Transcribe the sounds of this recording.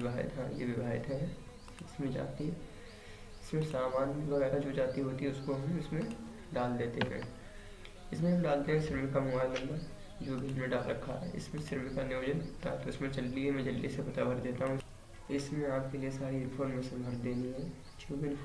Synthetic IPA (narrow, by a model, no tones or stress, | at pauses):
ɪbʱaːɪ̰t̪ɦã̰ːjḛʋɪbʱaːɪ̰t̪ɦɛ | ɪsmẽd͡ʒa̰ːt̪iɦɛ | ɪsmẽsaːmaːnmikɐbɛːɾad͡ʒoːd͡ʒaːt̪iɦoːt̪iɦɛʊskoɦɐmɪsmẽ | ɖaːld̪eːt̪eɦɛ̰̃ː | ɪsmẽɦɐ̃mɖaːlt̪eɦɛ̃ʃɪɾmɪkamʊmaːlnɐ̃mb̪əɾ | d͡ʒoːbʱiɪsmẽɖaːlɾɐkʰːa̰ɦɛ̰ːɪ̰smẽsɪɾmɪkanɪːd͡ʒənt̪aɦt̪oɪsmẽd͡ʒɐlːiɦɛmɛ̃ːd͡ʒɐlːisepɐt̪abɐɾd̪eːt̪aɦũ | ɪsmẽaːp̚keliesaːɾifʰoːnmẽsɐ̃bʱɐɾd̪eːniɦɛ̃ː | t͡ʃũːkɪn